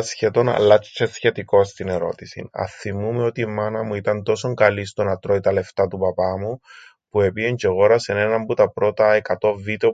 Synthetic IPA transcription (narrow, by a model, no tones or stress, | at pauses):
sçet̪o̞nɐ̰lːɐt͡ʃt͡ʃesçe̞t̪iko̞st̪ine̞ɾo̞̰t̪isḭnɐ̰θimumeo̞t̪imɐnɐmuit̪ɐnt̪o̞so̞ŋkɐlist̪o̞nɐt̪ɾo̞it̪ɐle̞ft̪ɐt̪upɐpɐmu | pue̞pieɲd͡ʒe̞ɣo̞ɾɐse̞ne̞nɐmbut̪ɐpɾo̞t̪ɐekɐt̪o̞vid̪eo